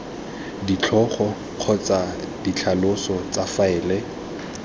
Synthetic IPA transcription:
dit͡ɬʰɔχɔ | q͡χʰɔt͡sadit͡ɬʰalʊsɔt͡safaɪːle

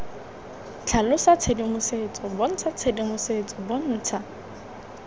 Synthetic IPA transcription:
t͡ɬʰalʊsat͡sʰedimʊset͡sʼɔbʊn̩t͡sʰat͡sʰedimʊset͡sʼɔbʊn̩ːt͡sʰa

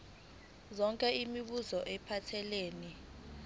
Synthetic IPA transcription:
zɔŋkʼɛimiɓuzɔʔɛpʰatʰɛleːni

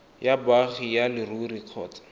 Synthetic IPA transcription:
jabaχijalɪruriq͡χʰɔ̰ːt͡sḁ

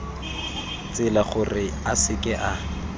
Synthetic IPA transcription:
t͡sʼɪlaχʊrɪ | asɪkʼɛʔa

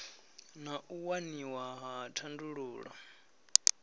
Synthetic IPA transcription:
naʔuwaniwaɦatʰanduɺuːɺa̰

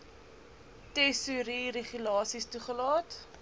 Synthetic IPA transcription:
tɛsuɾiɾeχylɑːsistuχəlɑːt

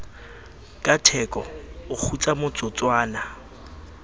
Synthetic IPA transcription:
kʼatʰɛkʼɔʊk͡xʰut͡sʼamʊt͡sʼʊt͡swaːna

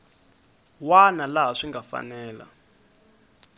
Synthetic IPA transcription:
wanalaɦaʂiŋɡafa̰nɛːla̰

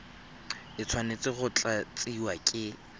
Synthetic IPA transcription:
ɪt͡sʰwanet͡sʼɪɣʊt͡ɬʼat͡sʼiwakʼɪ

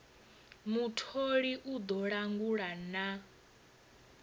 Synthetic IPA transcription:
mutʰoɺiʔud̪ɔɺaŋɡuɺana

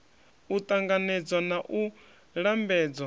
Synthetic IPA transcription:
ut̪ʼaŋɡanɛd͡zwanaʔu | ɺambɛːd͡zwa

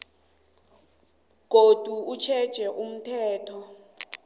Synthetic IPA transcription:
ɡ̥ʱod̥ʱuut͡ʃʰɛd̥ʒ̥ʱɛʔum̩tʰɛːtʰɔ

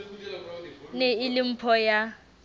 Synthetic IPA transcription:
neɪlim̩pʰɔja

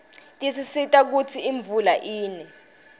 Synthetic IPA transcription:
tʼisisitʼak̬ut͡sʰiiɱb̪vulaʔiːnɛ

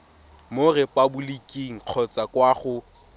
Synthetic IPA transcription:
morɛpʼabʊlikʼiŋ̩q͡χʰɔt͡sʼakwaχʊ

